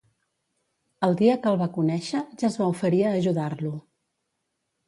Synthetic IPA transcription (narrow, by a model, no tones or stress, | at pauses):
əlˠd̪iəkəlˠβakunɛʃəʒazβaufəɾiəːʒuðarlu